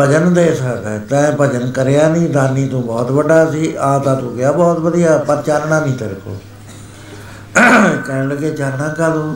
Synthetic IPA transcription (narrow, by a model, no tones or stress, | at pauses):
pəd͡ʒənd̪eːsəkd̪aːt̪ɛ̃ːpəd͡ʒənkəɾejaːnĩːd̪aːniːt̪ũːbɔːt̪bəɖaːsiːʔaːt̪ãːt̪ũːɡɪjaːbɔːt̪bəd̪ijaːpəɾt͡ʃaːɾɳãːnĩːt̪əɾko̰ː | kəɾləɡeːt͡ʃaːɾɳãːkad̪õ